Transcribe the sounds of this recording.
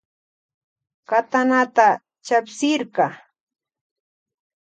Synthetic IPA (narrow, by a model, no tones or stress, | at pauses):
kat̪anat̪a | t͡ʃapsɪɾkɑ